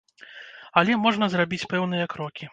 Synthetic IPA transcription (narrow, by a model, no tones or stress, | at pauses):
ɐlʲɛmɔʐnɐzrabʲit͡sʲpɛwnɨjɐkɾɔkʲi